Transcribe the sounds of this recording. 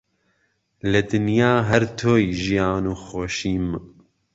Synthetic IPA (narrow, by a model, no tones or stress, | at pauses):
lɨd̪ɨnjaːɦɛɾt̪ʰoːjʒijaːnuːxoːʃiːm